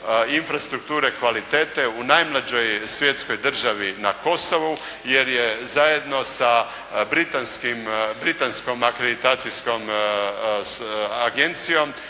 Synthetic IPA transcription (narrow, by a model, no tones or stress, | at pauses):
infɾast̪ɾuk̚t̪uːɾe̞kʋalit̪eːt̪e̞unajmlˠad͡ʒo̞jsʋje̞t̪sko̞jd̪r̩ʒaʋinako̞so̞ʋu | je̞ɾjezajed̪no̞sa | bɾit̪anskimbɾit̪ansko̞makɾed̪it̪aːt̪sisko̞m | aɡe̞nt̪sijo̞m